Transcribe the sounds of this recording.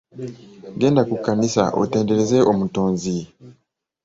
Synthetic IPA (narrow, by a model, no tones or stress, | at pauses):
ɡe̞ːndakukːanisa̰ʔo̰te̞ːnde̞ɾe̞ze̞ʔomutoːnzi